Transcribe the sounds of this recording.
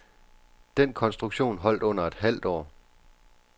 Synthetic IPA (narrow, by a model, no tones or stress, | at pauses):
d̥enkʰɒ̽nsd̥ʁuɡ̥ɕo̝̰ːnɦɒ̽l̰d̥ɔ̽n̰ɐe̝d̥ɦæl̰d̥ɒ̰ː